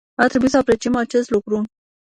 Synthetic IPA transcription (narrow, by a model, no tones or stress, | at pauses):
at̪ɾe̞buisəapɾe̞t͡ʃiemat͡ʃe̞st̪lukɾu